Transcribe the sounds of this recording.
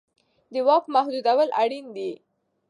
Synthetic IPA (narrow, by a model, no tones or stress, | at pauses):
d̪əwɑkmahd̪ud̪awəlaɽind̪i